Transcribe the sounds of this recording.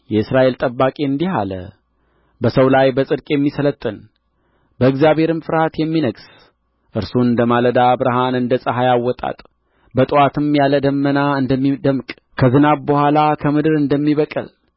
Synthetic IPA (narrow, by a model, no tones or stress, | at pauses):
jɛɨsɾaʔe̞lt̪ʼəbːakʼeɨnd̪iɦa̰lə̰ | bəsəwlajbəsʼɨd̪̚kʼjɛmːisələt̪ʼːɨn | bəɨɡzjaβhe̞ɾɨmfɨɾhat̪jɛmːinəɡs | ʔɨɾsuɨnd̪əmaləd̪abɨɾəɦanɨnd̪əsʼəɦajawːɔt̪ʼa̰t̪ʼ | bət̪ʼwat̪ʰɨmjaləd̪əmːənaɨnd̪əmːid̪əmkʼ | kʰəzɨnaβbəhʷwalakʰəmɨd̪ɨɾɨnd̪əmːiβəkʼə̰l